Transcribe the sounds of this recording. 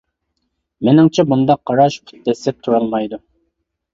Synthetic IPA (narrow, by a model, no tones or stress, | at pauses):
mɪnɪŋt͡ʃʰɛbund̪ɑqːɑɾɑʃpʰu̥t̪̚ːɛsɛp̚t̪ʰuɾɑlˠmɑjd̪u